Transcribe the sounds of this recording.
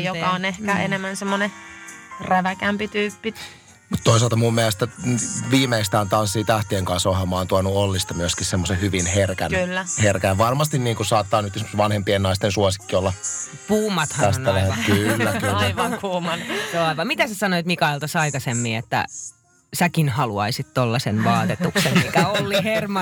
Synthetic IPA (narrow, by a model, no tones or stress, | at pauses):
jokɑonehkæʔenemːænsemːone | ræʋækæmpit̪yːpːit̪ | mut̪t̪ːois̬ɑlt̪ɑmumːiælest̪æʋiːmeist̪æːnt̪ɑnsːiːt̪æht̪ieŋkɑnsohɑmɑːnt̪uɑnuolːist̪ɑmyøskissemːosehyʋinherkænylːæherkæjʋɑrmɑst̪inniːŋkusɑːt̪ːɑːnyt̪esmsʋɑnhempienɑist̪ensuosi̥kːiolːɑ | puːmɑt̪hɑæst̪ːæʋæhækylːækylːæʋɑŋkuːmɑnjoɑiʋɑmit̪æsæsɑnoit̪mikɑelt̪ɑsɑikɑsemːiːet̪ːæ̰ | sækinhɑluɑisit̪t̪olːɑsenʋɑːt̪et̪uksemmikæolːihermɑ